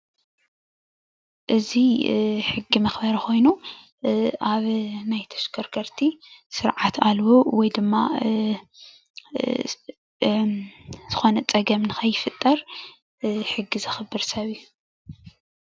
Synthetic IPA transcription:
ʔɨziħɨɡːimɐxbɐɾɐxo̞jnu | ʔaβnajt̪ʰɐ̥ʃkʰɐɾkʰɐɾt̪ʰisɨɾʕat̪ʰalwowɔjd̪ɨmːa | z̥ɨxo̞nɐt͡sʼɐɡɐmnɨxʰɐjːɪfɨt̪ʼːɐɾ | ħɨɡːizɨxɨbɨɾsɐβiju

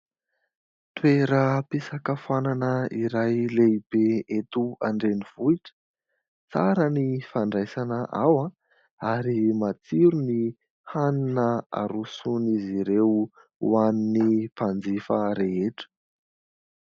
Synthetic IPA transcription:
t̪weɾəpisakafananəiɾajleibeet̪uaɳɖ͡ʐeniv̥uiʈ͡ʂə̥ | t͡saɾənifaɳɖ͡ʐajsanəʔawã | aɾimat͡siɾuni | haninəa̰ɾusuniziɾew | aninifand͡zifaɾeeʈ͡ʂə̥

